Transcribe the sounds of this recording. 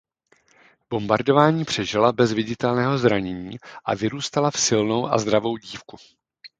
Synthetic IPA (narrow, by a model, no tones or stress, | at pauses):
b̥o̞mbaɾdo̞vaːɲiːpr̝̥ɛʒɪlabɛzvɪɟɪt̪ɛlnɛːɦo̞zɾaɲɛɲiːʔavɪɾuːst̪alafsɪlno̞wʔa̰zd̪ɾavo̞wɟiːfku